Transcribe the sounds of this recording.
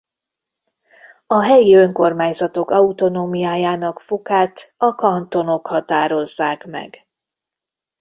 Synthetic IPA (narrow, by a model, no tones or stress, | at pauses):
ɒɦɛjiøŋko̞rmaːɲzɒt̪o̞kɒut̪o̞noːmijaːjaːnɒkfokaːt̪ɒkɒnt̪o̞no̞khɒt̪aːɾo̞zːaːkmɛ̰ɡ